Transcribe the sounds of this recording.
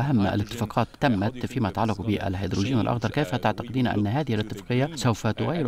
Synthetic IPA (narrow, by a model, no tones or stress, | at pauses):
ʔaɦamːa̰lɪt̪ːɪfɑːqɑːt̪ːamːat̪fiːmat̪ʕalːɑqbɪʔa̰lhajd̪ɾuʒiːnɪ̰lʔɑxd̪ɑɾˤkejfat̪aʕt̪ɑqɪd̪iːnʔa̰nːɦaːðɪhɪlɪt̪ːɪfɑ̥qɪjːasawfat̪ʊɣaːjːɪl